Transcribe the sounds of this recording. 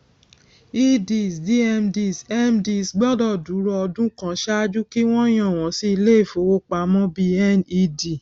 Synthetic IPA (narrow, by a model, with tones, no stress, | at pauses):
i˧di˧˨sdi˦ɛ˧mdi˧˨sɛ˦mdi˧˨sɡ͡bɔ˦dɔ˦˨du˨˦ɾɔ˧ɔ˧dũ˦kã˦ʃa˦a˦d͡ʒu˦ki˦w̃ɔ̃˦j̃ã˦˨w̃ɔ̃˨si˧i˧le˦e˦˨fo˨˦wo˦k͡pa˨˦mɔ̃˦bi˧ɛ˦˨ni˧di˨